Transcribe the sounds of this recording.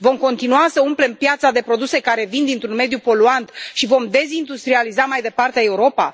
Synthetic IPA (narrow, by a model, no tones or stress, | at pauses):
vo̞mko̞nt̪inuasəumple̞mpjat̪sad̪e̞pɾo̞d̪use̞kaɾe̞vind̪int̪ɾunme̞d̪jupo̞luant̪ʃivo̞md̪e̞zind̪ust̪ɾializamajd̪e̞part̪eae̞uɾo̞pa̰